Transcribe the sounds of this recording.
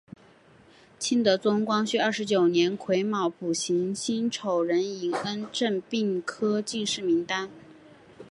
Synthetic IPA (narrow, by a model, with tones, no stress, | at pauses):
t͡ɕʰi˥nd̪ə˧˥t͡sʊ˥ŋkwɑ˥ŋɕy˥˧ɐ˞˥˩ʂɻ̩˧˥t͡ɕjo˨˩ʊnjɛ˧˥nkʰwe˧˥ɪmɑ˨˩ʊpu˨˩ɕi˧˥ŋɕi˥nʈ͡ʂʰo˨˩ʊɻə˧˥ni˨˩ŋə˥nʈ͡ʂə˥˧npi˥˩ŋkʰɤ˥t͡ɕi˥˧ʂɻ̩˥˩mi˧˥ŋt̪a˥n